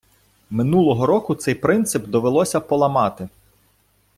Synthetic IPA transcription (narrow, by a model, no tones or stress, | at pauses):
mɪnulˠɔɦɔɾɔkʊt̪sɛjpɾɪnt̪sɪpd̪ɔʋelˠɔsʲɐpɔlˠɐmɑt̪ɪ